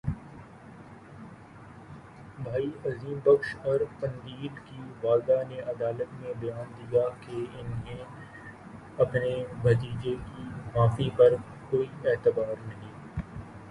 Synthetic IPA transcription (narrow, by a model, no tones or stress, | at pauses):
bʱaːiɐziːmbɐkʃɔːɾpɐ̃nd̪iːd̪kiʋaːld̪aneʔɐd̪aːlət̪mẽbɐjaːnd̪ijakeɪnɦẽ | ɐpnebʱɐt̪̬iːd͡ʒekimaːfipɐɾ | koːiɛːt̪ɪbaːɾnɐɦĩː